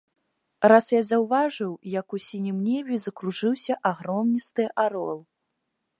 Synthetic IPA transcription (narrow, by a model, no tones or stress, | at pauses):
rasjazɐwvaʐɨwjɐkusʲinʲimnʲɛvʲizɐkɾuʐɨwsʲɐʔaɣɾɔmnʲist̪ɨʔaɾɔlˠ